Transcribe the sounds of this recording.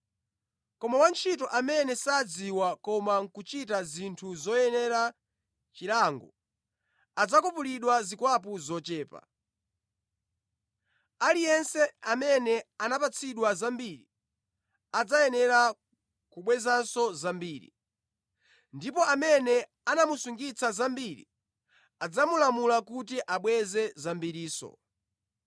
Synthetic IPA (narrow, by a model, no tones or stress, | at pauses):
kɔmawant͡ʃʰitɔʔamɛnɛsad͡ziwakɔmaŋ̩kut͡ʃitazintʰuzɔjɛnɛɾa | t͡ʃilaŋɡɔ̰ | ad͡zakɔpuliɗwazikwap̬uzɔt͡ʃɛːpa̰ | alijɛnsɛamɛnɛanapat͡sʰiɗwazambiɾi | ad͡zajɛnɛɾa | kuɓwɛzansɔzambiːɾḭ | ndipɔamɛnɛ | anamusuŋɡit͡sʰazambiɾḭ | ad͡zamulamulakutiʔaɓwɛzɛzambiɾiːsɔ̰